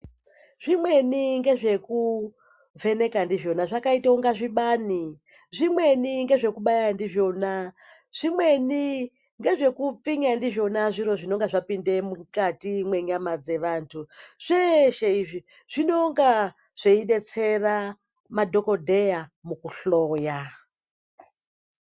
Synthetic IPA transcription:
ʐ̥imwe̞niŋɡe̞ʐe̞ku | ve̞ne̞kandiʐo̞naʐakaitauŋɡaʐiɓaːni | ʐimwe̞niŋɡe̞ʐe̞kuɓajandiʐo̞na | ʐ̥imwe̞ni | ŋɡe̞ʐe̞kup͡fiɲandiʐo̞naʐiɾo̞ʐino̞ŋɡaʐapinde̞mukatimwe̞ɲamad͡ze̞ʋaːntʰuʐ̥eʃeiʐi | ʐ̥ino̞ŋɡa | ʐ̥eiɗe̞t͡se̞ra | madʱo̞ko̞dʱe̞jamukuɬoːja

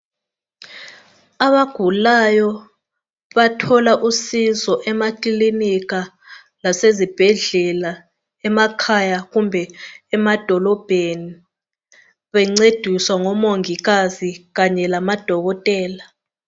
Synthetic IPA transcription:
aβaɡ̥ʱulajɔ | βatʰɔlaʔusizɔʔɛmakʼilinik̬a | lasezib̥ʱɛɮɛla | ɛmakʰajaɣumbʱɛɛmad̥ʱɔlɔb̥ʱeni | βɛŋ͡ǀed̥ʱiswaŋɔmoŋiɣaziɣaɲɛlamad̥ʱɔɣɔtʼɛːla

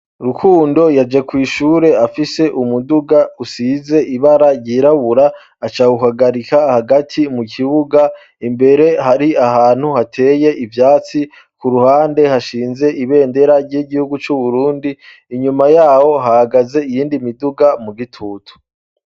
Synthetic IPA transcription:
ɾukʰuːndo̞jad͡ʒekwiːʃuːɾe̞afise̞ʔumuduɡausize̞ʔiβaɾaɟiɾaβuɾaː | t͡ʃaːɡuɦaɡaɾikahaɡatʰimukʰiβuɡa | imbe̞ɾe̞ɦaɾiahaːn̥huhatʰe̞ːje̞ʔivjaːt͡si | kuɾuhaːnde̞haʃiːnze̞ʔiβe̞ːnde̞ɾaɾɟiɡihuɡut͡ʃuβuɾuːndiː | ɲumajaːho̞ɦahaɡaze̞ijiːndimiduɡamuɡitʰuːtʰu̥

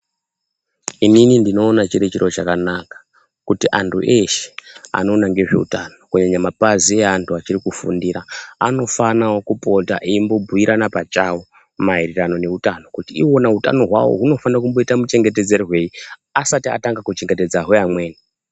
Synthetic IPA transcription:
ininindino̞ːnat͡ʃiɾet͡ʃiɾo̞t͡ʃakanakḁ | kutiʔantʰṵʔeʃe̥a̰no̞ːnaŋɡe̞ʐe̞̰ṵtano̞kuɲaɲamapazieantʰuat͡ʃirikufundiɾaːno̞fanawokupo̞ta̰ʔiimbo̞bʱuiɾʔanapat͡ʃawo̞ | mairirano̞ne̞utano̞kutiiwo̞nauta̰no̞ɦwa̰wo̰ɦuno̞fanaokumbo̞itamut͡ʃe̞ŋɡe̞te̞d͡ze̞ɾiɦwe̞iasatia̰taŋɡakut͡ʃiŋɡe̞te̞d͡zaɦoamwe̞ːni

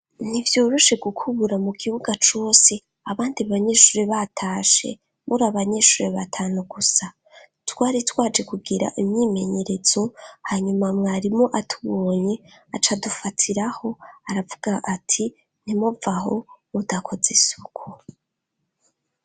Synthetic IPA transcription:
nivjuːɾuʃe̞ɡukʰuβuɾamuɡiβuɡat͡ʃo̞ːse | aβaːndiβaɲe̞ːʃuːɾeβatʰaːʃe̞̰ | muɾaβaɲe̞ʃuɾeβatʰaːnuɡusa | twaːɾitwaːd͡ʒe̞kuɡiɾa̰ʔimɲiːme̞ɲe̞ɾe̞zo̞haɲumamŋaɾimo̞ʔatʰuβoːɲeat͡ʃadufatʰiɾaho̞aɾavuɡaʔatʰi | n̥imuvaɦo̞̰ | udakʰo̞zesukʰu

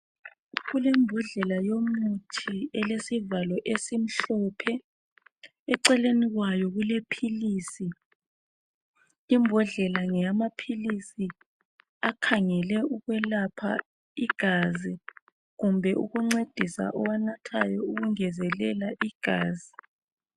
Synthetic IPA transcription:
ɣulɛmbʱɔɮɛlajomutʰiɛlesivalɔʔesim̩ɬɔpʰɛ | ɛǀɛleniɣwajɔɣulepʰiliːsi | mbʱɔɮɛlaŋɛamapʰilisi | akʰaŋɛlɛʔuɣwɛlapʰa̰ | iɡ̥ʱazi | ɣumbʱɛʔṵɣuŋ͡ǀed̥ʱisa̰ʔɔwanatʰajɔuɣuŋɛzɛlɛlaʔiɡ̥ʱaːzi

